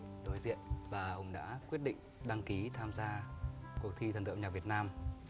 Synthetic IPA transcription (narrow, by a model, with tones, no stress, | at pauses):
ɗo˨˦jzḭ˧˨ənvaː˨˩hʊ̰˧˩ŋ͡mɗa̰ː˧˥kwi˦˥ət̚ɗḭ˧˨ŋ̟ɗa˧ŋki˨˦t̪ʰaː˧mzaː˧kək̚t̪ʰi˧ə˨˩nt̪ɨ̰˧˨ɲa˨˩vət̚naː˧m